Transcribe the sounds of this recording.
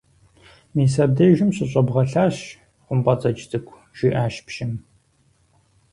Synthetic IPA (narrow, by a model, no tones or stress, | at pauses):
miːsɐb̚deːjʒɪmɕɪɕʼɐbʁɐɬaːɕ | qʷʊmpʼɐt͡sʼɐt͡ʃtʰɨkʷʰ | ʒ̥ɪʔaːʃpʃɪm